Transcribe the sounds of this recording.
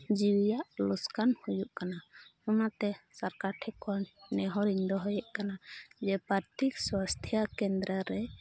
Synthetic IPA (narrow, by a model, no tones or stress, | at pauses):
d͡ʒiwjaʔluskanhujuʔkanaɔnat̪ɛsaɾkaɾʈʰɛkʰɔnnɛɦɔɾiɲd̪ɔɦɔjɛʔkanad͡ʒɛpaɾt̪ʰikswast̪ʰjakɛnd̪ɾəɾɛ